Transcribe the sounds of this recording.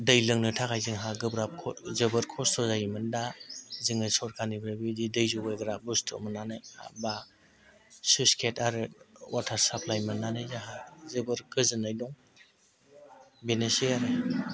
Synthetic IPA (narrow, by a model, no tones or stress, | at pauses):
dɯjlɯŋnɯtʰakʰajzɯŋɦaɡɯbɾap̚kʰɔzɯbɯɾkʰɔstʰɔzajimɯndazɯŋɯjsɔɾkʰaniɡɾɯbididɯjzubajɡɾabustʰɔ̰mɯnːanaja̰ba | suskʰetʰaɾɯwatʰaɾsapʰlajmennːanajzaɦazɯbɯɾkɯzɯnːajdɔŋ | benesiaɾɯ